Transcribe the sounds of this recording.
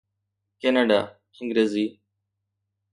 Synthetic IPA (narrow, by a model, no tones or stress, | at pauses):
kenaːɖaː | ɪ̃ŋɡɾeːziː